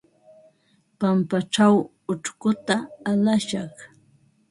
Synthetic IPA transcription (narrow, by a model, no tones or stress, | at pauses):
pampaʈ͡ʂaw | ʊʈ͡ʂkʊt̪aːlaʃɑχ